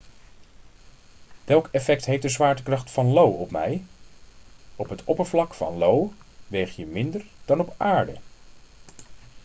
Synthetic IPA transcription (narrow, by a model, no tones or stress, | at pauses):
ʋɛlˠkɛfɛktɦejfdəzʋaːɹtəkrɑχtfɑnlowɔpmɛj | ɔpɦətɔpəɹvlɑkfɑ̰nlowʋejχjəmɪndəɹd̥ɑnɔpaːɹdə̰